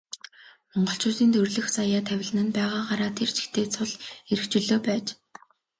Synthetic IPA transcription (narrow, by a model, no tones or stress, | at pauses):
mɔɴɢɞ̆ɬt͡ɕʊːt̪iːnt̪ʰɵrɮɘ̆xsajaːt̪ʰæwʲɪ̆ɮɘ̆nɘ̆npæːʁaːɢaɾaːt̪ʰert͡ɕʰi̥xt̪ʰeːt͡sʰʊɮeɾɘ̆kt͡ɕɵɮoːpæːt͡ɕ